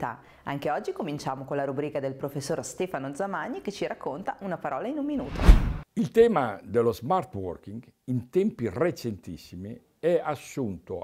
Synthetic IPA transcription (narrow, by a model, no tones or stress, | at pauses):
t̪a̰ | aŋk̟eɔd͡ʒːikomint͡ʃaːmokonlaɾubɾiːkad̪elpɾofesːoːrst̪ɛːfanod̪zamaɲːik̟et͡ʃːiɾakːont̪aʔunapaɾɔːlainumːinṵːt̪o̰ilt̪ɛːmad̪elozmart̪wɔ̰rkiŋɡint̪ɛmpiret͡ʃent̪isːimi | ɛasːunt̪o̰